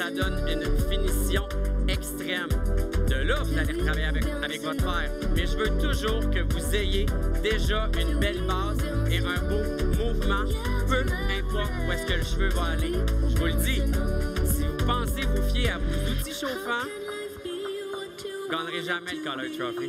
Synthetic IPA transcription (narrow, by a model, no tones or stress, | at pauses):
sad̪ɔnynfinisjɔ̃ɛkst̪ʁɛmd̪əlɔfd̪aleʁt̪ʁavajavɛkavɛkvɔt̪fɛːʁmɛʒəvøt̪uʒuːʁkəvuzejed̪eʒaynbɛlbaːzeʁɛ̃bo | muvmɑ̃ | pøɛ̃pɔʁt̪uɛskələʃvøvaːleʒəvuldd͡z̪isivupɑ̃sevufjeavozut͡siʃofã | ɡɑːnʁeʒamɛləkɑlalt̪ʁɔfi